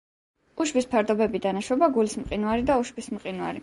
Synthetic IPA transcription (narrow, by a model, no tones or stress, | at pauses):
uʃvispʰaɾd̪ɔbɛbid̪anaʃwɔbaɡulismqʼinwaɾid̪auʃvismqʼinwa̰ɾi